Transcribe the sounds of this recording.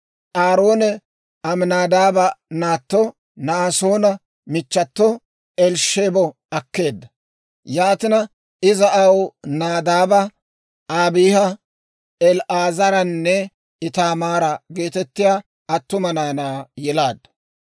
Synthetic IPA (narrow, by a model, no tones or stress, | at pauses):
ʔaːɾo̞ːnɛ | ɐmnaːd̪aːbɐnaːt̪ːɔ | naso̞ːnɐ | mɪt͡ʃːɐt̪ːɔ | ɛlʃeːbɔ | ɐkːe̞ːd̪ːɐ | jaːt̪ɪnɐ | ɪzɐʔɐwnaːd̪aːbɐ | aːbiːhɐ | ɛlʔaːzɐɾɐnːɛ | ɪt̪aːmaːɾɐɡe̞ːt̪ɛt̪ːɪjaː | ɐt̪ːʊmɐnaːnaːjɛlaːd̪ːɐ̥